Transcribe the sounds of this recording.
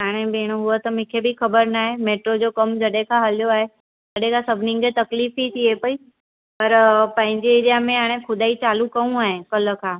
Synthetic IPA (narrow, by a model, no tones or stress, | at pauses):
ɦaːɽ̃ebeːɽ̃oɦʊot̪ɐmɪkʰebixɐbəɾnaːɦemeːʈɾod͡ʑoːkɐmd͡ʑɐɗɦẽkʰãɦɐljoaːɦe | d͡ʑɐɗɦekʰãsɐbʱɪnɪ̃ŋɡket̪ɐkliːfit̪ʰiepɐi | pɐɾpɐ̃ɦɪ̃ɲd͡ʑeɪɾijamẽɦaːɽ̃ẽxʊd̪aːit͡ɕaːlukɐũaːɦekɐlə̆kʰãː